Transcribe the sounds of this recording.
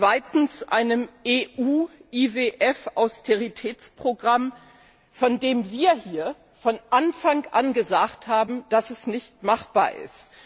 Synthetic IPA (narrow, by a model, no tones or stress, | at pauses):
t͡sv̥aɪtn̩sʔa̰ɪnəmeːʔuːʔiveːʔɛfaʊstʰeʁitʰɛːt͡spʁ̥oɡʁam | fɔndeːmviːɐhiːɐ | fɔnʔanfaŋʔanɡəzaːkthaːbm̩d̥asɛsnɪçtmaχb̥a̰ːɐʔɪ̰st